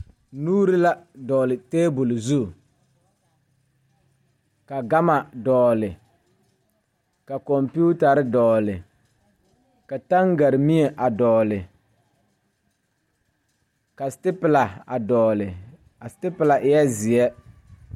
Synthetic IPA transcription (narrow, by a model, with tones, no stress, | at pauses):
nuː˦ɾɪ˦la˦dɔː˨lɪ˨teː˦bʊ˨lzu˦˨ | ka˨ɡa˦ma˨dɔː˨lɪ˨ | ka˨kɔ˨mpu˦ta˨ɾɪ˦dɔː˨lɪ˨ | ka˨ta˦ŋɡa˨ɾɪ˨mi˦ɛ˨ʔa˨dɔː˨lɪ˨ | ka˨stɪ˦pɪ˨la˨a̰˨dɔː˨lɪ˨ | a˨stɪ˦pɪ˨la˨ʔɪ˨jɛ˦zɪ˨ɛ˦